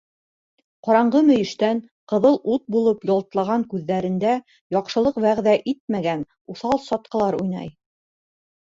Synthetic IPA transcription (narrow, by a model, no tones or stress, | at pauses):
qɑɾɑɴɢɤmɵ̆jɘ̆ʃt̪æn | qɤ̆ðɤlˠut̪̚bulˠɤpjɑlˠt̪lˠɑʁɑŋkʉðːæɾɘ̆nd̪æ | jɒqʃɤ̆lˠɤqbæʁðæʔit̪̚mæɡæn | uθɑlˠsɒt̪̚qɤ̆lˠɑɾujnɑ̰j